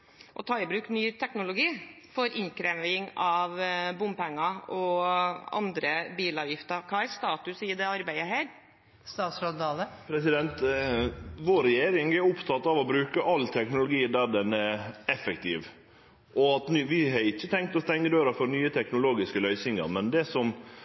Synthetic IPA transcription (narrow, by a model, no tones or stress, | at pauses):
ʔɔ̰t̪ʰɑːɪbɾʉːknyːt̪ʰɛknʊlʊɡiː | fɔɾʔɪŋkʰɾɛmɪŋɑʋbʊmpɛŋːɑɔ | ɑ̰nd̪ɾəbiːlɑːʋjɪft̪əɾkʰɑːæɾst̪ɑːt̪ʉsiːəd̪ɛɑɾbæɪəɦæːɾ | st̪ɑːt̪sɾɔd̪ɑːləpʰɾɛsɪd̪ɛnt̪ | ʋoːɾɛjeːɾɪŋɛɾʊpt̪ʰɑt̪ːɑʋɔbɾʉːkəʔɑlːt̪ʰɛknʊlʊɡiːd̪æɾd̪ɛnɛɾɛfɛkt̪ʰɪːʋ | ɔɑt̪nyʋɪɦɑɾɪçːət̪ʰɛŋk̚t̪ɔst̪ɛŋːəd̪øːɾəfɔɾnyːət̪ʰɛknʊloːɡɪskəlœʏsɪŋɑ̰ɾmɛnd̪ɛsɔm